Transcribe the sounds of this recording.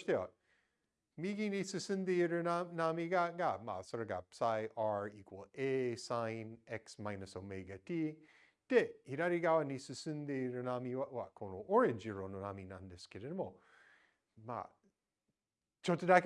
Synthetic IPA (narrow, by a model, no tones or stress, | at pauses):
ʃt̪eot̚ | miɡinisɨsɨndeɾənanamiɡaɡama̰səɾəɡa̰psajʔaɹikwoesaɪnɛksmaɪnəsomeɡati | teiɾaɾiɡawɐnisɨsɨnd̪eɾənamiwaʔwakʰonoʔɔɹɪnd͡ʒiɹononaminandɛskɪɾɪnəmo | ma̰ | t͡ʃotədak